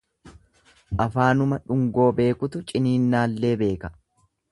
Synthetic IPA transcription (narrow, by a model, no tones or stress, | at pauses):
ʔɐfaːnʊmɐᶑʊŋɡo̞ːbe̞ːkʊt̪ʊt͡ʃʼɪniːnːaːlːe̞ːbe̞ːkɐ̥